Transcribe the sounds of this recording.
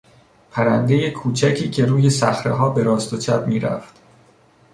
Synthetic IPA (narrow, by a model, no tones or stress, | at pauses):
pʰæɾænd̪e̞je̞kʰuːt͡ʃʰæcʰiːcʰe̞ɾuːje̞sæxɾḛɦɒːbe̞ɾɒːst̪ot͡ʃʰæbmiːɾæ̰ft̪